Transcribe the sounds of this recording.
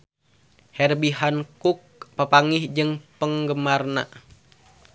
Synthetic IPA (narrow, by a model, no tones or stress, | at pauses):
hɛrbiɦankuk̚papaŋihd͡ʒɨŋpəŋɡəmarna̰